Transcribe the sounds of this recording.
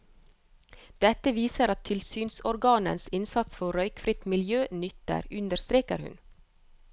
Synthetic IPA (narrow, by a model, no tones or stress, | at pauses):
d̪̥ɛt̪əʋiːsəɾɑt̪ʰɪlsyːnsɔɾɡɑːnə̰nsɪnsɑt̪sfɔɾœʏkfɾɪt̪mɪljøːnʏt̪ə̰ɾʉnd̪əɾst̪ɾeːkə̰ɾhʉ̰n